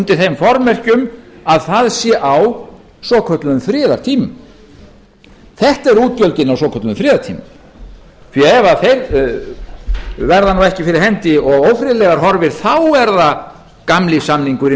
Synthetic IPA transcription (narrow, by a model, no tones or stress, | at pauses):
nt̪ɪθejmfɔɾmɛr̥cʏmaðθaðsjɛʔaw | sɔkʰœt̪lʏʏmfɾɪːðaɾ̥t̪ʰiːmʏm | θɛht̪ɛɾuːt̪̚pjœlt̪ɪnawsɔːkʰœt̪lmfɾɪːðaɾt̪ʰḭːmʏm | θiɛvaθejɾ | vɛɾðanuɛhcɪfɪɾɪɾ̥hɛnt̪ɪɔɣowfɾɪlɛɣaɾ̥ɦɔɾvɪɾ̥θawɛɾða | kamlɪsamniŋkʏɾɪ